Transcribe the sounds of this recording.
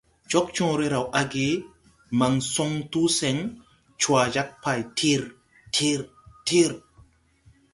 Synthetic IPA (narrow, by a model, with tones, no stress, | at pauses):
t͡ʃo˦k̚t͡ʃɔ̃ː˦ɾe˦ɾa˨wʔa˦ɡe˦ | ma˨ŋso˦ŋtu˦se˨ŋ | t͡ʃwa˨d͡ʒa˦k̚pa˨jtʰi˦ɾ | tʰi˦ɾ | ti˦ɾ